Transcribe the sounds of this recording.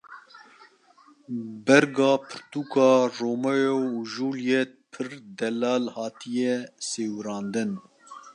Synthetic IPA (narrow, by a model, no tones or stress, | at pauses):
bɛɾɡɑːpʰɨɾt̪uːkɑːroːmɐjouʒuːljɛt̪̚pʰɨɾd̪ɛlɑːlhɑːt̪ʰijɛseːwɾɑːnd̪ɨn